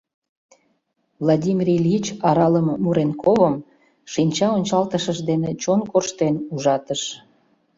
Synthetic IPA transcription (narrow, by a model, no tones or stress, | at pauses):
vlˠadʲimʲiɾilʲit͡ɕɑɾɑləmmuɾenkoβəm | ʃinʲt͡ɕɑonʲt͡ɕɑlt̪əʃəʃd̪enet͡ɕonkorʃt̪enuʒɑt̪əʃ